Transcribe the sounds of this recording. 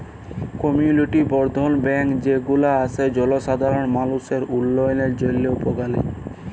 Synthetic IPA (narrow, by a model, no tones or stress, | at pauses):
kɔmiuniʈibɔɾd̪ʱonbɛŋkd͡ʑeɡulaasʰed͡ʑɔloʃad̪ʱaɾonmanuseɾulːojoneɾd͡ʑolːeupoɡalḛ